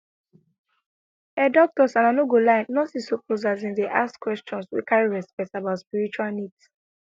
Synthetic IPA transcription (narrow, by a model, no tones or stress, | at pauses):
ɛdɔk̚tɔsãnanoɡolãɪ̃nnɔtisopozazĩndeʔaskwɛst͡ʃɔ̃nswḭkaɹiɹɛspɛk̚tabaʊtspiɹit͡ʃualnids